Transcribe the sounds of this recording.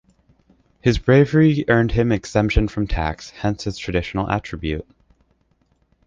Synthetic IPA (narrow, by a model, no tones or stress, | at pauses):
hɨzbɹeɪvə˞iʔɜ̃˞nd̚ɨ̃mɨksɛ̃mpʃɨ̃nfɹʌ̃mtʰæ̰kshɛ̃nsɨz̥tʰɹ̥ɨdɪʃn̩l̩ˠæ̰t͡ʃɹ̥ɨbjʉ̰t̚